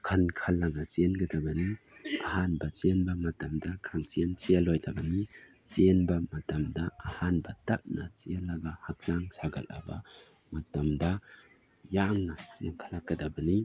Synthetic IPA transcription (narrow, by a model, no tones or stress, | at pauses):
kʰɐnkʰalɐɡɐt͡ʃenɡɐdɐbɐni | ɐhanbɐt͡ʃenbɐmɐtɐmdɐkʰaŋt͡ʃient͡ʃiɐlojdɐbɐni | t͡ʃenbɐmɐtɐmdɐːhanbɐtɐp̚nɐt͡ʃialɐɡɐhak̚t͡ʃaŋsaɡɐlɐ̰bɐ̰ | mɐtɐmdɐ | jaŋnɐt͡ʃienkʰalakːɐdɐbɐni